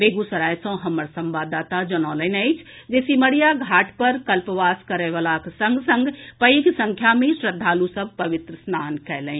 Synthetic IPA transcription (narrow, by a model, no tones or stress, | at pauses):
beːɡusəɾajsə̃ɦəməɾsə̃mbad̪aːt̪ad͡ʒənaːlənəɪt͡ʃʰd͡ʒesiməɽijaɡʱaːʈpəɾkəlpəʋaːskəɾɛʋalaksəŋɡsəŋɡpəiɡsə̃ŋkʰjamẽsɾəd̪ʱːaːlusəb̚ʱpəʋɪt̪ɾəsnaːnkɛɦlɛ̃